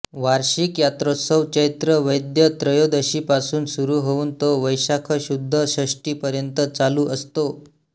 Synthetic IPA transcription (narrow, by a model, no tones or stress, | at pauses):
ʋaɾɕikjat̪ɾosəʋt͡ɕəjt̪ɾəʋəjd̪jət̪ɾəjod̪əɕiːpasuːnsuɾuːɦouːnt̪oʋəjɕakʰəɕud̪ʱːəɕəʂʈiːpəɾjənt̪ət͡saluːʔəst̪o